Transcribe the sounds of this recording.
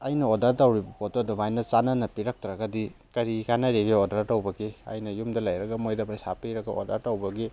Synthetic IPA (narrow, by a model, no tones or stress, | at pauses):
ajnɐɔdaɾtawɾibɐpɔtɔdɐmajnɐt͡ʃananɐpiɾak̚tɐɾɐɡadi | kɐɾikanɐɾeɡiɔdaɾtawbɐɡia̰jnɐjumdɐlajɾɐɡɐmojdɐbajsapiɾɐɡaɔ̰daɾtawbɐɡi